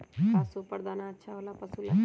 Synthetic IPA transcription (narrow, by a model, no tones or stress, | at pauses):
ɦasupəɾd̪aːnaətːʃʰaolaːpəsul